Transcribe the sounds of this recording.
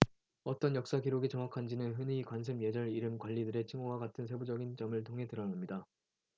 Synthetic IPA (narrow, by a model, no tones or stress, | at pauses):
ʌt͈ʌnjʌk̚s͈aɡiɾoɡit͡ɕʌŋwakʰand͡ʑinɯnɸɯnikwans̬ʰɯmje̞d͡ʑʌɾiɾɯmkwaʎːidɯɾe̞t͡ɕʰiŋoɡwaɡatʰɯns̬ʰe̞bud͡ʑʌɡint͡ɕʌmɯɭtʰoŋɦe̞tɯɾʌnamɲida